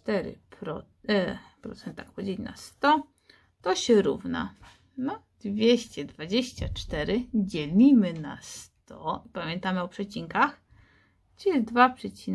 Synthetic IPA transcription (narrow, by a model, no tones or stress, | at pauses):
t̪ɛɾɘ̰pɾɔ | pɾɔ̰t̪sɛnt̪akpɔd͡ʑelʲina̰st̪ɔ | t̪ɔɕɛɾṵvna̰ | nɔd̪̥vʲjeɕt͡ɕɛd̪vad͡ʑeɕt͡ɕat͡ʂt̪ɛɾɘd͡ʑelʲimɘna̰st̪ɔipamʲjɛnt̪amɘɔpʂɛt͡ɕiŋkax | t͡ʃɛd̪vapʂɛt͡ɕin